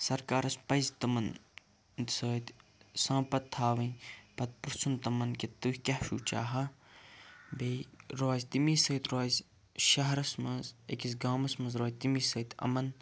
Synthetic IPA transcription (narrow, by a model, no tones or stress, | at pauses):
sɐɾkaːɾɐspɐjzt̪ɐmɐn | d̪səːt̪sãːpɐt̪ʰːaːʋɐ̃pɐt̪̚pɾɨsʰunt̪ɐmɐnket̪uhʲkʲɐhʃṵːt͡ʃa̰ːɦɐ | beːɾoːzʲt̪imiːsəːt̪ɾaːzʲ | ʃɐɦɐɾɐsmɐzḛkis̬ɡaːmɐsmɐ̃zɾoːjt̪imisɐːt̪ʰɐ̰mɐn